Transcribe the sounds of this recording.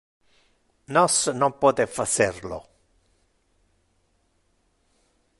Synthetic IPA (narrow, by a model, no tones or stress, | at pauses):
nɔsnompɔːt̪efat͡ʃɛrlo̰